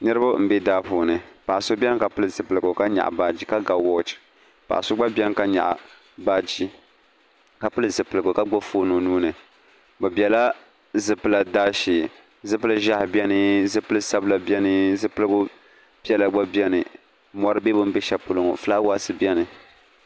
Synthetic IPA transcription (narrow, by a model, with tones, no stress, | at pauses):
nɨ˦ɾɨ˦bʊ˦m̩˨be˦daː˦poː˨nɨ˨pa˨ʔso˦bʲɛ˦ŋ˦ka˨pɨ˦lɨ˨zɨ˨pɨ˨lɨ˨ɡʊ˨ka˦ɲa̰˨ʔba˨d͡ʒi˦ka˦ɡa˨wɔ˦˨t͡ʃi̥˨ | pa̰˨ʔa˨so˦ɡ͡ba˦bʲɛ˦ŋ˦ka˦ɲa̰˨ʔa̰˨ | baː˦d͡ʒi˦ | ka˨pɨ˦lɨ˦zɨ˨pɨ˨lɨ˨ɡo˨ka˦ɡ͡bo˦foː˦no˨nuː˦nɨ˨ | bɨ˨bjɛ˨la˦ | zɨ˨pɨ˦la˨daː˦ʃiː˨ | zɨ˦pɨ˦lɨ˦ʒa˦hbi˦ɛ˦nɨ˦zɨ˦pɨ˦lɨ˦sa˦bla˨bjɛ˦nɨ˦zɨ˦pɨ˦lɨ˦ɡʊ˦ | pi˦ɛ˦la˨ɡ͡ba˦bɛ˦nɨ˨ | mɔ˨ɾɨ˦be˦bʊ˦m̩˦bɛ˦ʃa˨pʊ˦lʊ˨ŋɔ̰˨fɨ˦la˦wa˦sɨ˨bjɛ˦nɨ˨